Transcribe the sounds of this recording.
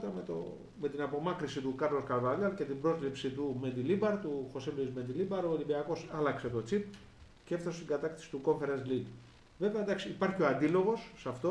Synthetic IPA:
t̪ɐmet̪o̰ | me̞t̪inɐpo̞mɐkɾisit̪ukɐɾloskɐɾvɐʎɐlce̞t̪ibɾo̞zlipsit̪ume̞nd̪ilibɐɾt̪uxo̞seloizmed̪ilibɐɾo̞elibiɐko̞sɐlɐkset̪ot͡sip̚ | cefθɐsest̪iɡɐt̪ɐkt̪ɐ̥si̥t̪uko̞ɱfe̞ɾensliɡ | ve̞veɐd̪ɐksiːpɐɾçio̞ɐnd̪ilo̞ɣo̞sːɐft̪o

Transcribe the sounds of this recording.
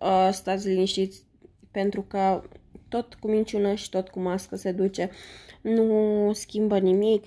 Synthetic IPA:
əst̪aziliniʃt̪it̪sʲ | pe̞nt̪ɾukət̪o̞t̪kumint͡ʃunəʃi̥t̪o̞t̪kumaskəse̞d̪ut͡ʃe̞nuskʲimbənimik

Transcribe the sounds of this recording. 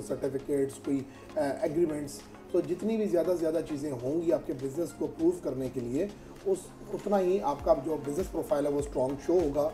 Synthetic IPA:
sɐɾʈɪfɪkeːʈskoːi | ɛɡɾimɛ̃ɳʈs | t̪oːd͡ʒɪt̪nibʱizjaːd̪azjaːd̪at͡ʃiːzẽɦõːŋɡiaːp̚kebɪznəskoɐpɾuːʋkɐɾnekelie | ʊs | ʊt̪naɦiaːpkad͡ʒoːbɪznəspɾoːpʰaːɪlɦɛʋosʈɾɔ̃ːŋɡʃoːɦoːɡaː

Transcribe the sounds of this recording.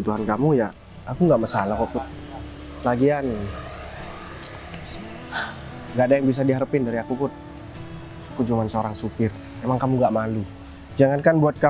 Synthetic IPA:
ut̪uɦankamujaː | kuŋɡaʔməsalakapʊt̪̚ | laɡian | ŋɡaʔdajaŋbis̬adiɦaɾəpɪndaɾiakupʊt̪̚ | akud͡ʒuŋansəoɾaŋsupɪr | emaŋkamuŋɡaʔmalu | d͡ʒaŋankanbuat̪̚ka

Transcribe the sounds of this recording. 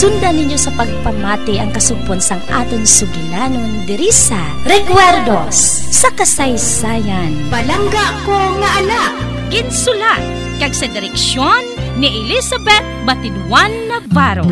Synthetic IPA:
sʊnd̪anɪɲjosɐpɐɡ̚pɐmaːt̪ɪʔɐŋkɐsʊɡ̚ponsɐŋa̰ːt̪ɪŋsʊɡlanoŋd̪ɪɾisa | ɾɛkwɛɾd̪ossɐkɐsɐjsaːjɐnpɐlɐŋɡaʔkoŋɐʔɐlaʔ | kɪnsʊlat̪̚ | kɐɡsɐd̪ɪɾɛkʃjonːɪʔɛlisɐbɛt̪̚bɐt̪ɪnwanːɐvaɾo

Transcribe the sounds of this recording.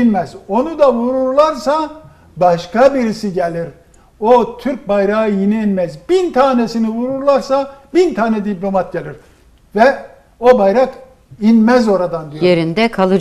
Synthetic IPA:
inmɛzo̞nud̪avuɾuɾlˠaɾsa | baʃkabiɾisiɟelʲiɾ | ot̪ʰyɾc̚bajɾaɯjiniinmɛzbint̪ʰaːnesinivuɾuɾlˠaɾsabint̪ʰaːnɛd̪iplʲo̞mat̪̚ɟelʲiɾ | vɛ | o̞bajɾak | inmɛzo̞ɾad̪and̪ijojeɾind̪ɛkʰalˠɯ

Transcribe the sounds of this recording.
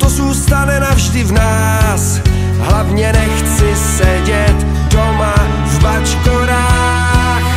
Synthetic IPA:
t̪ozuːst̪anɛnavʒdɪvnaː | s | ɦlavɲɛnɛxt͡sɪ | sɛɟɛt̪ | doma | vbat͡ʃt̪oɾa

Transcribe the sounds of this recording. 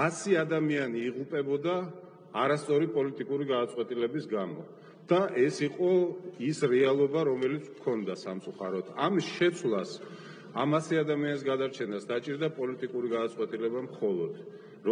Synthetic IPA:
asiad̪amianiːʁupʼɛbɔd̪aː | ɾast̪sʼɔɾipʼɔlit̪ʼikʼuɾiɡad̪at̪sʼwɛt̪ʼilɛbisɡamɔ̰ | d̪̥aʔɛsiqʼɔisɾɛalˠɔbaɾɔmɛlit̪sʰmkʰɔnd̪asamt̪sʼuχaɾɔd̪̥ʰamisʃɛt̪sʰwlˠas | amasiad̪amianis̬ɡad̪aɾt͡ʃʰɛnasd̪at͡ʃʼiɾd̪apʼɔlit̪ʼikʼuɾiɡad̪at̪sʼqʼwɛt̪ʼilɛbamχɔlˠɔd̪̥ | ɾɔ

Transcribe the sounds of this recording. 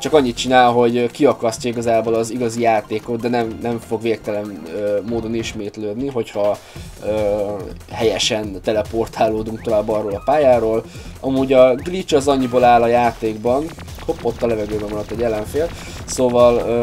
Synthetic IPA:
t͡ʃɒkɒɲːit̪̚t͡ʃinaːlɦo̞ɟkiɒkɒsc̪ɒiɡɒzaːboːlɒziɡɒzijaːt̪eːko̞t̪d̪ɛnɛmnɛɱfo̞ɡveːk̚t̪ɛlɛnøːoːd̪o̞niʃmeːt̪løːd̪niɦo̞chɒ | øː | ɦɛjɛʃɛnt̪ɛlɛpo̞rt̪ʰaːlːoːd̪uŋk̚t̪o̞vaːbːɒroːlɒpaːjaːɾoːlɒmuːɟɒɡlit͡ʃɒzɒɲːiboːlaːlɒjaːt̪eːɡbɒn | opːo̞t̪ːɒlɛvɛɡøːbɛmonɒt̪ːɛɟːɛlːɛɱfeːl | soːvɒl

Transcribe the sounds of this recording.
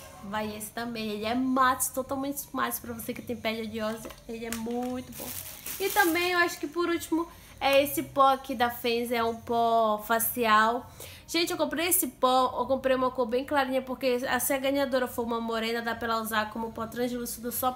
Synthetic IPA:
vajesɪ̥t̪ɐ̃mbẽj̃elɪɛmat͡ʃst̪ot̪awmẽnt͡ʃ̪ɪmat̪spɾɐvosekɪt̪ẽj̃pɛd͡ʒɐd͡ʒɪɔzɐelɪɛmũj̃t̪ʊbõ̰w̃ | ɪt̪ɐ̃mbẽj̃ewaʃʊ̥kɪpoɾut͡ʃimʊ | ɛesɪpɔakid̪ɐfẽzɛũpɔfasiaw | ʒ̥ẽnt͡ʃɪewkõmpɾejesɪpɔewkõmpɾejũmɐkobẽj̃klaɾĩɲɐpoɾkeɐsĩɐɡɐ̃ɲad̪oɾɐfojũmɐmoɾẽnd̪ɐd̪apɛlɐuzakõmʊpɔt̪ɾɐ̃ʒilʊsud̪ʊsɔ

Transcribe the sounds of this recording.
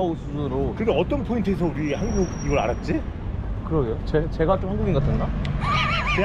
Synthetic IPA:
osʰuɯɾokɯɾɡeʌt͈ʌnpʰointʰɯesʰʌuɾihanɡuɡiɡʌɾa̰ɾat̚t͡ɕ͈i | kɯɾʌɡeot͡ɕet͡ɕe̞ɡat͡ɕ͈omhaŋɡuɡinɡatʰɯna | t͡ɕe

